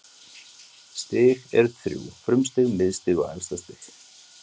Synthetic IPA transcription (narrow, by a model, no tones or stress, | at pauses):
st̪ɪːɣɛɾθɾjṵːfɾʏmst̪ɪɣmɪðst̪ɪːɣɔɛ̰lst̪ast̪ɪɣ